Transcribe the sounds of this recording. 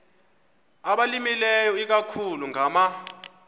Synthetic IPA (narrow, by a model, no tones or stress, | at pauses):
aɓalimilɛjɔik̬akʰuluŋama